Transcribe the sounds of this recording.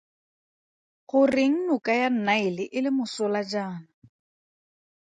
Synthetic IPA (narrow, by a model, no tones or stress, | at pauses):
χʊrɪŋ̩nʊkʼajan̩naɪlɪʔɪlɪmʊsʊlad͡ʒaːna